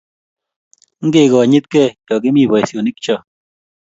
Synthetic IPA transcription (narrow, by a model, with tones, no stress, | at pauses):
ŋ̩˦ɡe˧˨ɡɔ˨a˨ɲi˦t̪̚ke˦˨kɔ˨ke˦mi˦˨bɔ˨jsjo˨ni˦k̚t͡ʃɔ˦˧